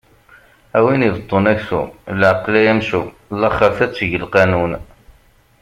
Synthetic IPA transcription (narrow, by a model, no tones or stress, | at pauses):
æwinivət̪ˤːonæçθṵlʕaqːlæjæmʃu | lːɑχəɾθæt͡sːəʝəlqɑnun